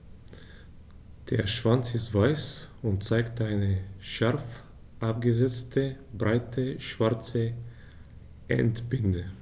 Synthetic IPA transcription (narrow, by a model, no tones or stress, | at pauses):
d̥eːɐʃv̥ant͡sɪstv̥aɪsʊnt̚t͡saɪktaɪnəʃaʁf | ʔap̚ɡəzɛt͡stʰəbʁaɪtʰəʃv̥aɐt͡sə | ʔɛ̰ntb̥ɪndə